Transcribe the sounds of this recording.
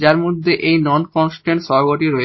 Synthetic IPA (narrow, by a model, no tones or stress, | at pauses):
d͡ʑaɾmod̪ʱːeʔejnɔnkɔnsʈeɳʈʃɔɡoʈiɾɔe